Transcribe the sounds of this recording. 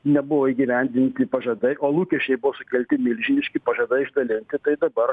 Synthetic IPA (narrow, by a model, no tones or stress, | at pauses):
nʲɛbʊʋoːiːɡʲiʋʲɛnʲd̪ʲɪnʲt̪ʲɪpɐʒɐd̪ɐɪʔoːlˠuːkʲɛʃʲt͡ʃʲɛɪbʊʋoːsʊkʲɛlʲt̪ʲɪmʲɪlʲʒʲɪnʲɪʃʲkʲɪpɐʒɐd̪ɐɪɪʒd̪ɐlʲɪnʲt̪ʲɪt̪ɐɪd̪ɐbɐr